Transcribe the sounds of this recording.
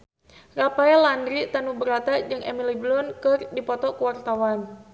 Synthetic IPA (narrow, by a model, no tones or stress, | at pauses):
rapaɛlandɾit̪anubəɾat̪ad͡ʒɨŋʔɛ̰miliblɔnkɨrdipɔt̪ɔkuwart̪awan